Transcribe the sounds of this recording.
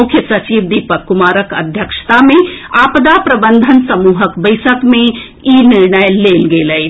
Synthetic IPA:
ʊkʰjəsɐt͡ʃibd̪ipəkːumaːɾəkə̰d̪ʱjəkʃt̪amẽapd̪apɾəbə̃nd̪ʱənsəmuːɦəkbəɪsəkmẽ | inɪɾɳəjleːlɡeːləj

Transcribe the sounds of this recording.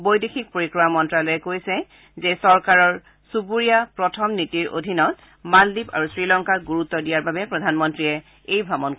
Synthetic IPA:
bojdexik̚poɹikɹɔamɔntɹalojɛkojsɛ | zɛsɔɹkaɹɔɹ | supuɹijapɹɔtʰɔmnitiɹo̰dʱinɔt̚ | maldipa̰ɹusɹilɔŋkaɹɡuɹutːɔdijaɹbabɛpɹɔdʱanmɔntɹiɛ | ejbʱɹabɔnk

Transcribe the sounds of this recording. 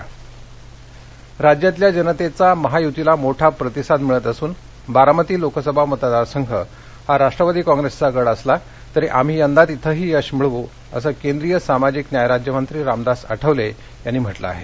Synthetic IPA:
ɾad͡ʑjat̪ljad͡ʑənət̪et͡saməɦajut̪ilamoʈʰapɾət̪isad̪miɭət̪əsuːn | baɾamət̪iːlokəsəbʱamət̪ad̪aɾsəŋɡʱə | haɾaʂʈɾəʋad̪iːkɔ̃ŋɡɾest͡saɡəɽəsla | t̪əɾeʔam̤iːənd̪at̪it̪ʰəɦiːəɕmiɭʋo | ə̰səːkend̪ɾijəsamad͡ʑiːknjajɾad͡ʑjəmənt̪ɾiːɾamd̪asə̰ʈʰəʋle | janːiːm̤əʈlə̰a̰ɦe

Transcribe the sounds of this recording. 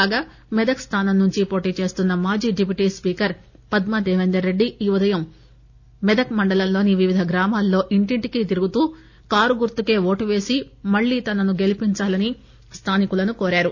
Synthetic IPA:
aːɡaː | mɛd̪ɐkst̪ʰaːnɐmnːuɲt͡ʃipo̞ːʈiːt͡ʃe̞ːst̪unːɐmaːd͡ʒiːɖipiʈiːspiːkɐɾ | pɐd̪mɐd̪ɛːʋend̪ɐɾːe̞ɖːiiːʋud̪ɐjɐmː | ɛd̪ɐkmɐɳɖɐlɐmlo̞ːniʋiʋid̪ʱɐɡɾaːmaːlːo̞ːʔiɳʈiɳʈikit̪̬iɾuɡut̪uː | kaːɾuɡuɾt̪uke̞ːʋo̞ːʈuʋe̞ːsimɐɭːiːt̪ɐnɐnuɡe̞lipiɲt͡ʃaːlɐni | st̪ʰaːnikulɐnukoːɾaːɾu

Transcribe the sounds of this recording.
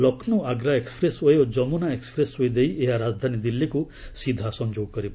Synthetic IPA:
lɔkʰnuaɡɾaekspɾesojod͡ʒɔmunaekspɾesɦojd̪ejeɦaɾaːd͡zd̪ʱanid̪ilːiku | sid̪ʱasɔ̃ɲd͡ʒoːɡ̚kɔɾip

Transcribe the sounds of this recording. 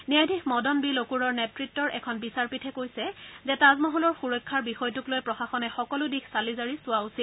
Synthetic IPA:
niajdʱixmɔdɔnbilokuɹɔɹnɛtɹitːɔɹʔɛkʰɔnbisaɹpitʰɛkojsɛzɛtazmɔɦɔlɔɹxuɹɔjkʰːaɹbixɔjɔtuklojpɹɔxaxɔnɛxɔkɔlʊdixʰsalizaɹisʊwausil

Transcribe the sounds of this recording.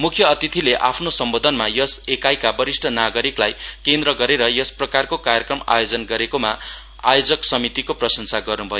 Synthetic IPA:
mukʰjʌːt̪it̪ʰileʔapʰnosʌmbod̪ʱʌnmajʌsekajkabʌɾisʈʰʌnaɡʌɾiklajkend̪rʌɡʌɾeɾʌjʌsprʌkarkokarjʌkrʌma̰jod͡zʌnɡʌɾekoma | a̰jod͡zʌksʌmit̪ikoprʌsʌnsaɡʌrnubʱʌjo

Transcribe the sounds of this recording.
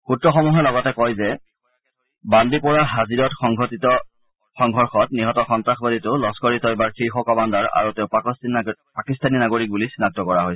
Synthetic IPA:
xutɹɔxɔmuɦɛlɔɡɔtɛkɔjzɛ | bandipɔɹaɦaziɹɔtxɔŋɡʱɔtitɔ | xɔŋɡʱɔɹxɔt̚niɦɔtɔxɔntɹaxbaditʊlɔskɔɹitɔjbaɹkixɔkɔmandaɹa̰ɹutɛʊp | pakistaninaɡoɹik̚bulisinak̚tɔkɔɹaɦojsɛ

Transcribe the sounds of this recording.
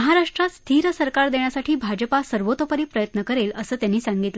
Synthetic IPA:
əɦaɾaʂʈɾat̪st̪ʰiɾsəɾkaɾd̪eɳjasaʈʰiːbʱad͡ʑəpasəɾʋot̪əpəɾiːpɾəjət̪nəkəɾeləsəːt̪janːiːsaŋɡit̪lə

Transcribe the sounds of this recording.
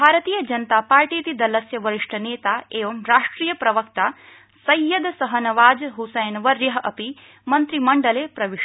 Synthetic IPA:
bʱaːɾɐt̪iːjɐd͡ʒɐnt̪aːpaːɾʈiːt̪id̪ɐlɐsjɐʋɐɾiʂʈʰɐneːt̪aːeːʋɐmɾaːʂʈɾiːjɐpɾɐʋɐkt̪aː | sɐjːɐd̪sɐɦɐnɐʋaːd͡ʒɦusɐjnʋɐɾjɐɦɐʔɐpi | mɐnt̪ɾimɐɳɖɐleːpɾɐʋi

